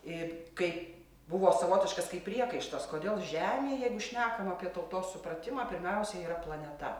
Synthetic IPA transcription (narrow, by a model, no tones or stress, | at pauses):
ɪkɐɪp | bʊʋoːsɐʋoːt̪ʲɪʃkɐskɐɪpʲɾʲiɛkɐɪʃt̪ɐskoːd̪ʲeːlˠʒʲæːmʲeːjɛɪɡʊʃʲnʲæːkɐmɐpʲiɛt̪ɐʊt̪oːssʊpɾɐt̪ʲɪmɑːpʲɪɾʲmʲɛʊsʲɛiːɾɐplˠɐnʲɛt̪ɐ